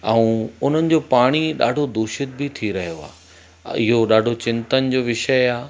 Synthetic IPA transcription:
ɐũʊn̤ənɪ̆d͡ʑoːpaːɽ̃iɗa̰ːɖʱod̪uːʃɪt̪̚bɪt̪ʰiɾɐɦijoa̰ː | ɪɦoɗaːɖʱot͡ɕɪ̃nt̪ənɪ̆d͡ʑoːʋɪʃəaː

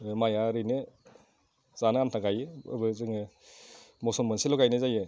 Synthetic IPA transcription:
majaɾɯnɯ | z̥anɯantʰaɡajɯ̰bɯzɯŋ | mɔsɔmbɯnsilɔɡajnɯzajɯ

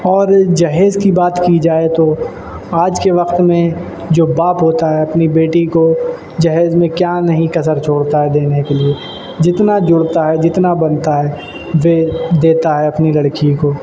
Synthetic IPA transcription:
ɔːɾd͡ʒɐɦeːzkibaːt̪kid͡ʒaːet̪o | aːd͡ʒkeʋɐqt̪mẽ | d͡ʒoːbaːpɦoːt̪aɦɛɐpnibeːʈiko | d͡ʒɐɦɛːzmẽkjaːnɐɦĩkɐsəɾt͡ʃʰoːɽt̪aɦɛd̪eːnekelie | d͡ʒɪt̪nad͡ʒʊɽt̪aɦɛd͡ʒɪt̪nabɐnt̪aɦɛ | ʋed̪eːt̪aɦɛɐpnilɐɽkijõkoː

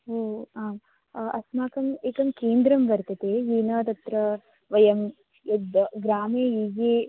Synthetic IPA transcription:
oːaːm | ɐ̰smaːkɐmeːkɐmkeːnd̪ɾɐmbɐɾt̪ɐt̪eːjiːnɐt̪ɐt̪ɾɐ | ʋɐjɐm | jed̪ɡɾaːmeːiːɡeː

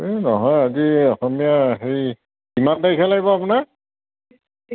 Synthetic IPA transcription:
enɔɦɔjaziɔxɔmijaɦej | imandajkʰɛlajbɔapunak̚

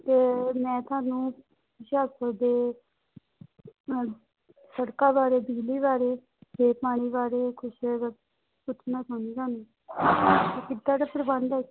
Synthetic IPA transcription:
t̪eːmɛ̃ːt̪ʰʊaːnũː | kʊʃaːkəd̪eː | səɽkaːbaːɾeːbiːliːʋaːɾeː | eːpaːɽ̃iːbaːɾeːkʰʊʃ | pʊt͡ʃʰnãːt̪ʰaːnĩːk̪aːnũː | t̪eːkɪd̪ãːdaːpəɾəbənd̪ɛ

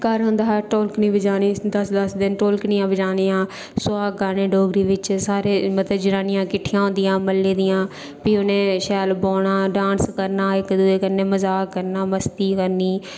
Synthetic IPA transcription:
kəɾɦʊ̃nd̪aːɛʈoːlknĩːbɪd͡ʒaːniːd̪əsd̪əsd̪ɪnʈoːlknɪjãːbɪd͡ʒaːniːãː | sʊaːəɾnẽːɖoːɡɾiːʋɪt͡ʃsaːɾeːmət̪əd͡ʒɪɾaːnɪjãːkɪʈʰːɪjãːɦõːnd̪ɪjãːməlːẽːd̪ɪjãː | piːʊnẽːʃɛːlboːɽaːɖãːnskəɾnaːɪkd̪uːeːkəɾneːməzaːəɾnaːməst̪iːkəɾniː

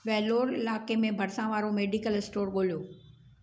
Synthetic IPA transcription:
ʋɛːloːɾɪlaːkemẽbʱɐɾsãʋaːɾomeːɖikəlɪsʈoːɾɠoːlijoː

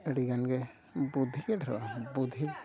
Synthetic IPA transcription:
əɽiɡanɡɛ | bud̪ʱikɛʈʰɾɔ̰bud̪ʱi

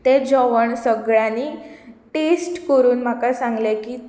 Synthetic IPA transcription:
t̪ed͡ʑɔʋəɳsəɡɭjaniʈesʈkəɾuːnm̤akasãŋɡleki

